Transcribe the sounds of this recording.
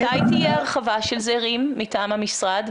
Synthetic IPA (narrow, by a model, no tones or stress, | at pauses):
ajt̪ijeaʁχavaʃelzeʁimːitaːmhamisʁad̪